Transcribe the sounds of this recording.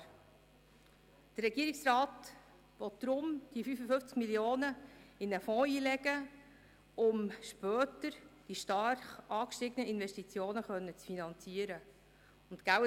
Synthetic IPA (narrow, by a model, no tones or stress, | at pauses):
d̪̥ərːɛɡiəɾɪksrɑːt̪ | ʋɔt̚d̪̥ɾʊmd̥ifyfəfʏnft͡skmiljoːnəɪnəfɔ̃ːiːlɛɡ̥ə | ʊmʃpœːtəɾd̥iʃtɑɾχʔɑːkʃtɪɡənəɪnʋɛʃtit͡sjoːnəχœnːət͡sfinɑnt͡siəɾə | ʊnt̪ɡ̥æw